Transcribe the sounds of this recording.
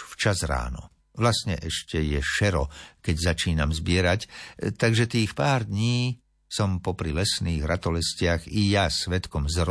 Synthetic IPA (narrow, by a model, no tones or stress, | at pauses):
ft͡ʃazɾa̰ːnɔ̰ | ʋlast̪ɲɛʔɛʃcɛjɛʃɛɾɔkɛɟzat͡ʃiːnamzbɪɛɾact̪aɡʒɛt̪iːxpaːɾd̪ɲiː | sɔmpɔpɾilɛsniːɣɾat̪ɔlɛscɪaɣijasʋɛt̪kɔmzɾ